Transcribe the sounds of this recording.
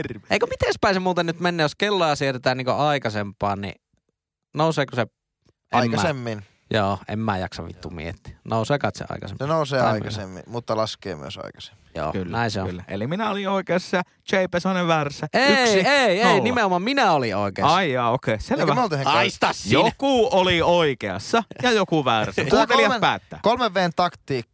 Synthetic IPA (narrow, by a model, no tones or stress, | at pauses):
rʋḛˑikømit̪espæˑĩsemuːt̪ɑnyt̪menːeːjoskelːojɑsiet̪et̪æːnniːŋkoɑˑikɑsempˑɑːnḭ | noˑuseːkuse | ʔɑikɑæsemːin | joːʔḛmːæjɑksɑ̰ʋḭt̪ːṵmḭḛt̪ːi̥noˑuseːkɑˑt̪sḛɑ̰ˑikɑ̰sḛmsenoˑuseːɑˑikɑsemːḭmut̪ːɑlɑskˑḛːmy̰ø̰sɑ̰ˑikɑ̥se̥mːi̥jo̰ːkylːnæˑinseo̰lːæḛliminæolioˑikeːsɑ | t͡ʃeipesoneʋʋærsːæeyksiieieˑinimeomɑmminæolioˑikḛɑɑiɑokeˑselʋæolt̪iheŋɑist̪ɑsːjokuˑolioikeɑ̰sːɑjɑjokuʋærskuːt̪eliɑpæːt̪ːæ̰ːkolmeʋʋeːnt̪ɑkt̪ˑiːkː